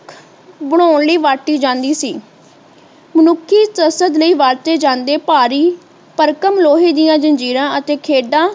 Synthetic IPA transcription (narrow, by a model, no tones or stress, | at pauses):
kʰ | bəɽ̃oːɳləiːʋaːʈːiːd͡ʒãːnd̪iːsiː | mənʊkʰːiːsəsəd̪ləiːʋaːɾt̪eːd͡ʒãːnd̪eːpaːɾiː | pəɾkəmloːɦiːd̪ɪjãːd͡ʒənd͡ʒiːɾãːʔət̪eːkʰeːɖãː